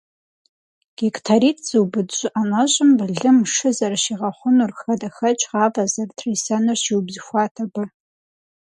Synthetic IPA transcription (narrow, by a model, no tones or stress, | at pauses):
ɡ̥ektʰaɾiːtʰz̥ɨwbɨdɕʷʼʊʔanɐʑʼɪmbɨɮɨmʂɨzɐrʃiːʁɐχʷʊnurxɐdɐxɐt͡ʃʼʁɑːbɐzɐrtʰrisɐnɨrɕiwbzɨxʷɑːtʰɐbɐ